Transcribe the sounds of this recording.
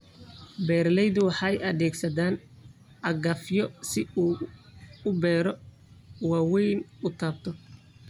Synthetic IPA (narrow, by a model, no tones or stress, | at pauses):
bɛːrlɛjðʊwɑħɑjʔɐðɛːɡsɐðaːn | ʔɐɡɐfjɔsɪuː | ʊbɛːɾɔ | waːwɛjnʊt̪ʰaːb̚t̪ʰɔ